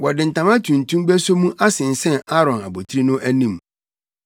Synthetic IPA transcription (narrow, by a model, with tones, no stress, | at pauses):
wɔ˨dɪ˨n̩˨tʰã˨mã˦tʰũ˨n̩˨tʰũ˦mbæ˦so˦mũ˦ʔa˦sɪ̃˨n̩˨sɛ̃˦˨a˦ɾɔ̃˨na̰˨bo˨tʰi˦ɾi˦nʊ̃˦ʔæ˦nĩ˦˨m